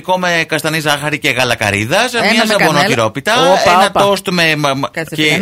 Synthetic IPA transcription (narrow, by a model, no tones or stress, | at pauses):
ko̞mekɐst̪ɐnizɐxɐɾiceɣɐlɐkɐ̰ɾḭðɐsmɲɐsɐbonociɾopit̪ɐnɐt̪ost̪memc